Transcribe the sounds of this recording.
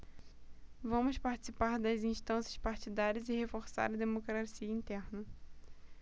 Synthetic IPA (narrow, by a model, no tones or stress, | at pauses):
vɐ̃mʊspaɾt͡ʃi̥sipaɾd̪ɐzĩʃt̪ɐ̃sjɐspaɾt͡ʃid̪aɾiɐzɪhefoɾsa̰ɾɐd̪emokɾasiɐĩt̪ɛɾnɐ